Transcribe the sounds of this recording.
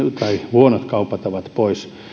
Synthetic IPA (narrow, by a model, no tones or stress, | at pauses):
t̪ɑihuonot̪kɑupɑt̪ɑʋɑt̪pois